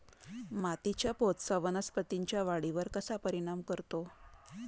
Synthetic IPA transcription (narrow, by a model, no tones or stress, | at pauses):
mat̪it͡ɕjapot̪saʋənaspət̪iɲt͡ɕjaʋaɽiʋəɾkəsapəɾiɽ̃amkəɾt̪o